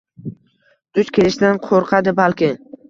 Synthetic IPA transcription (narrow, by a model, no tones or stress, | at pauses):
d̪̥ʊt͡ʃkʲʰelɪʃd̪anqʰoɾqʰɑd̪ɪbalkʲɪ